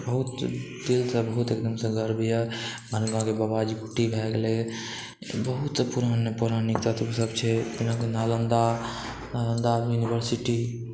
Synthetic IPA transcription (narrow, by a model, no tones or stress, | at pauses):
bəɦut̪d̪ilsəbəɦut̪ekd̪əmsə̃ɡəɾbijəmʱənɡãkebabad͡ʒikuʈibʱɛɡele | bəɦut̪səpuɾanepuɾanikt̪at̪usəbt͡ʃʰɛt̪inakenalənd̪a | nalənd̪ajunibəɾsiʈi